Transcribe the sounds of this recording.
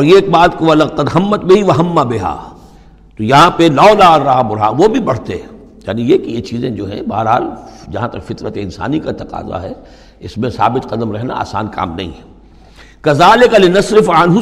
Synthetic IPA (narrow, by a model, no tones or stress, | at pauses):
ɔːɾjeːk̚baːt̪koʋɐlɐɣq̪ɐd̪ɦɐmːət̪bɪɦiʋɐɦɐmːabɪɦa̰ː | t̪ojɐɦãpelaːlaːɾːaɦabʊɽɦa̰ːʋobʱibɐɽ̤t̪eɛ̃ | jaːnijekijet͡ʃiːzẽd͡ʒoːɦɛ̰̃ba̰ːɦəɾɦa̰ːld͡ʒɐɦãt̪ɐkfɪt̪nət̪eɪnsa̰ːnikat̪ɐqa̰ːza̰ɦɛ | ɪsmẽsa̰ːbɪt̪qɐd̪əmɾɛɦna̰a̰ːsa̰ːnka̰ːmnɐ̰ɦḭ̃ɦɛ | kɐzaːlɪkalɪnɐsɾɪfanɦu